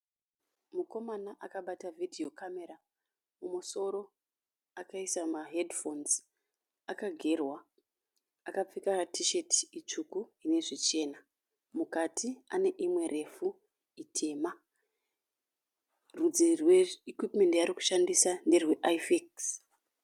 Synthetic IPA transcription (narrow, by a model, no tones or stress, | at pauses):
muko̞manaʔakaɓatavʱidʱio̞kame̞ɾa | mumuso̞ɾo̞ | akaisamaɦedfo̞nz | akaɡʱe̞rwaː | kap͡fikaratʰiʃe̞tiit͡ʂukuɦine̞ʐit͡ʃe̞ːna | mukatʰia̰ne̞ʔimwe̞rʔe̞fu | itʰe̞ːma | rud͡zirweikwipme̞ndjaɾiku̥ʃandisanderwe̞ʔajfeks